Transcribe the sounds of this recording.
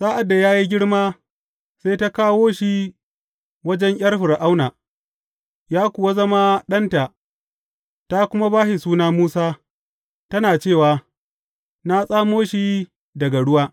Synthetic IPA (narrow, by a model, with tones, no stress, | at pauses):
sʼaː˦ʔa˨dːa˨jaː˦ji˦ɡʲɪ˦ɽmaː˦ | sa˦jta˦kaː˦woː˦ʃi˦ | wɐ˦d͡ʒɛ˦ŋʔʲj̰ɐ˦rɸɪ˨ɾʔa˦wnaː˨ | jaː˦kʷʊ˨wa˦zɐ˦ma˦ɗɐ˦nta˨ | ta˦kʷʊ˦ma˦baː˦ʃi˨suː˦naː˦muː˦saː˦ | tɐ˦naː˨t͡ʃeː˦˨waː˨ | na˦sʼaː˦moː˦ʃi˦ | dɐ˨ɡa˨ɽʊ˦waː˦